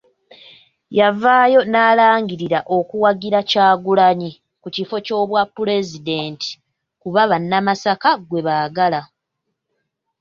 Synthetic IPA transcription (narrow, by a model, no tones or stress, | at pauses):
javaːjo̞naːlaːŋɡiɾiɾaʔo̞kuwaɡiɾacaːɡulaɲi | kucifo̞co̞ːβwapːule̞zide̞ːnti̥ | kuβaβanːamasakaɡwe̞βaːɡala